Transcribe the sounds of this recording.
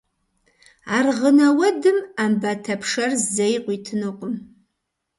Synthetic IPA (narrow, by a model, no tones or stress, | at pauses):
arʁənawɐdɨmambatʰapʰʂarzzejqʷʼitʰɨnɨqʷʼʊm